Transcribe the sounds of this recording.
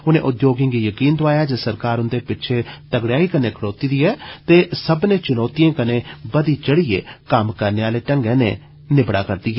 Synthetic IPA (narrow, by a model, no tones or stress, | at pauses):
ʊnḛ̃ːʔʊd̪joːɡɪ̃ŋɡiːjəkiːnt̪oaːjaːd͡ʒeːsəɾkaːɾʊnd̪eːpɪt͡ʃʰeːt̪əɡɽjaːiːkəneːkʰəɽoːt̪iːd̪iːɛːt̪eːsəbnẽːt͡ʃʊnɔːt̪ijãːkəneːbəd̪iːt͡ʃəɽiːḛːkəmkəɾneːaːleːʈə̃ŋɡɛ̃ːnḛː | nɪbɽa̰ːkəɾd̪iːɦɛː